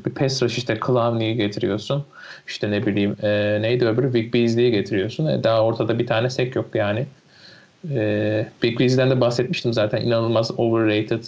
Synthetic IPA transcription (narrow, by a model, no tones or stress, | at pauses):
bipʰɛst̪ɾaʃiʃt̪ʰɛkʰɯlˠamnʲijiɟe̞t̪ʰiɾḭjo̞sun | i̥ʃt̪ʰɛnebilʲiːmɛːnejd̪øbʲyɾyvik̚bizlʲijiɟe̞t̪ʰiɾijo̞sunɛ̰d̪aːo̞ɾt̪ʰad̪abit̪ʰaːnɛsɛcjo̞kjaːnɪ | ɛːvikbiːzd̪ænd̪ɛbahsɛt̪̚miʃt̪ʰimzaːt̪ʰænʔḭnanɯlˠmazovɯɾːejt̪ʰɪd̪